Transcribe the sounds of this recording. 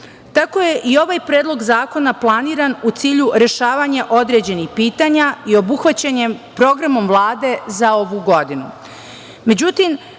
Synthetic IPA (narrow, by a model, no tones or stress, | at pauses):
t̪ako̞je̞ʔio̞ʋaːjpɾeːd̪lˠo̞ɡzaːko̞naplˠaniːɾanut̪siːʎuɾe̞ʃaːʋaɲe̞ʔo̞d̪ɾe̞d͡ʑe̞nixpiːt̪aːɲaio̞buxʋat͡ɕaɲepɾo̞ɡɾamo̞mvlˠaːd̪e̞zao̞ʋuɡo̞d̪inu | me̞d͡ʑut̪im